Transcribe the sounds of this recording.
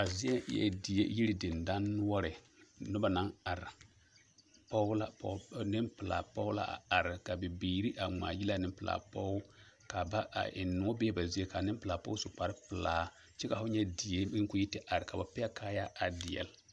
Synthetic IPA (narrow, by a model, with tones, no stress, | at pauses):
a˨zi˦ɛ˦jɛ̰˨di˨jḛ˦ji˦ɾi˦di˨nda˦n˦wɔ˦ɾɪ˨ | nʊ˦ba˨na˦ŋa˨ɾɪ˨ | pɔ˦la˦pɔ̰˨nɪ˦mpɪ˨la̰ː˨pɔ˦la̰˦ʔa̰˨a˨ɾɪ˨ka˨bi˨biː˨ɾi˦ʔa˨ŋ͡ma̰ː˨ji˦la˦˨nɪ˦pɪ˨la̰ː˨pɔ˦ | ka˨ba˦ʔa̰˨ʔɪ̰˨nːu˨ɔ˦beː˦ba˨zi˦e˦ka˨nɪ˦mpɨ˨la˨pɔ̰˦sʊ˨k͡pa˨ɾɪ˦pɪ˨laː˨ | t͡ʃɛ˦ka˨fʊ˦ɲɛ˦di˨e˦ɪ˦ŋ˦ku˦ji˦tɪ˦ʔa˨ɾɪ˨ka˨ba˨pɪ˦a˦ka˦ja˦ʔa˨dɪ˨jɛ̰˨l